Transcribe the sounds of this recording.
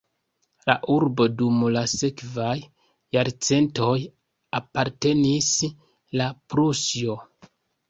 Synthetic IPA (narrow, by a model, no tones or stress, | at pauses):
la̰ʔuɾbo̞dumlase̞kvajː | aɾt͡se̞nto̞j | apaɾte̞nis | lapɾusjo̞